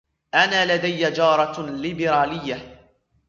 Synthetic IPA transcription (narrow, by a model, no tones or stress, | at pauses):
ʔanaːlad̪ajːad͡ʒɑːɾˤɑlɪbɪɾaːlɪjːa